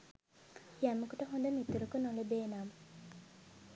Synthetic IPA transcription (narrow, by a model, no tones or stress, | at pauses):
jæməkuʈəɦond̪əmit̪uɾukunoləbeːnam